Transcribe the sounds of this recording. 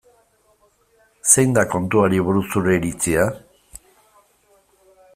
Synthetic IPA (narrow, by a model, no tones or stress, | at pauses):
se̞jnd̪ako̞nt̪uaɾiβuɾusuɾe̞ɾit͡sia